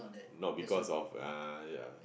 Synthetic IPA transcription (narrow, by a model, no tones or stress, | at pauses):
nobikɔsɔfaja̰